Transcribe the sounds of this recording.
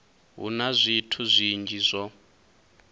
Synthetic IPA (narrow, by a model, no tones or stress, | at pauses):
ɦṵnazʷitʰuzʷind͡ʒʱizʷɔ